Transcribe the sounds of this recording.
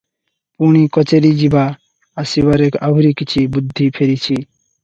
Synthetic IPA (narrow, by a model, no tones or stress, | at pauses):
puɳ̃ikɔt͡ɕeɾid͡ʑibaː | sibaɾekʰabuɾikit͡ɕʰibud̪ʱːipʰeɾit͡ɕʰi